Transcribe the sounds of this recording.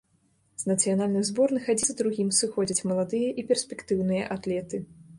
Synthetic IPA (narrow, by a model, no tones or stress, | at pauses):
z̥nɐt̪sɨjanalʲnɨmzbɔrnɨxad͡zʲizd̪ɾuɣʲimsɨxɔd͡zʲɐt͡sʲmɐlˠad̪ɨjɐʔipʲɛrsʲpʲɛkt̪ɨwn̪ɨjɐ̰ʔat̪lʲɛt̪ɨ